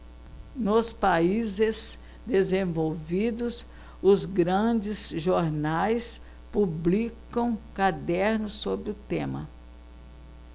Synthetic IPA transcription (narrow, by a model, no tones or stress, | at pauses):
nʊspaizɪz | d̪ezẽvowvid̪ʊs | ʊzɡɾɐ̃d͡ʒɪzʒoɾnajs | publikɐ̃w̃kad̪ɛɾnʊsːobɾɪʊt̪ẽmɐ̰